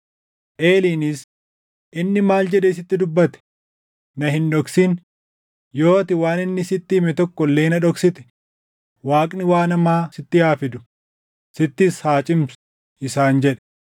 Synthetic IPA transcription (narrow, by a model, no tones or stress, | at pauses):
ʔe̞ːliːnɪs | ʔɪnːɪmaːld͡ʒɛᶑɛːs̬ɪt̪ːɪd̪ʊbːɐt̪ɛ̥ | nɐɦɪnᶑɔksin | jo̞ːt̪ɪwaːnɪnːɪsɪt̪ːɪːmɛt̪ɔkːɔlːeːnɐᶑɔksɪt̪ɛ̥ | waːkʼnɪwaːnɐmaːsɪt̪ːɪjaːfɪd̪ʊ | sɪt̪ːɪshaːt͡ʃʼɪmsʊ̥ | ɪsaːnd͡ʒɛᶑɛ̥